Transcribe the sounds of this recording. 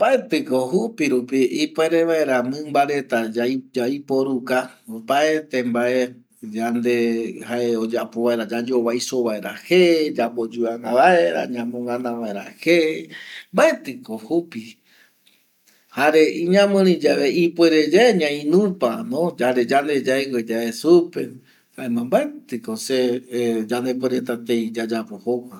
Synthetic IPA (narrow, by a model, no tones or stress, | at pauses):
b̥aet̪ɨko̞ɦupiɾupiʔipweɾeʋaeɾamɨ̃mbaɾe̞t̪ad͡ʒajpo̞ɾuka | paet̪e̞mbaʔe̞ | d͡ʒand̪e̞haeod͡ʒapoβaeɾad͡ʒad͡ʒoβajsoβaeɾʔahed͡ʒabod͡ʒuanãβae̞ɾa̰ɲãmõŋɡãnãʋaeɾa̰hembaet̪ɨkohupi | haɾeʔiɲãmɨ̃ɾ̃ĩd͡ʒaβeipwe̞ɾed͡ʒaeɲãĩnũpanõd͡ʒaɾed͡ʒand̪e̞d͡ʒaewed͡ʒaesupe̞ | haemãmbaet̪ɨkosed͡ʒand̪e̞pweɾet̪at̪eid͡ʒad͡ʒapohowa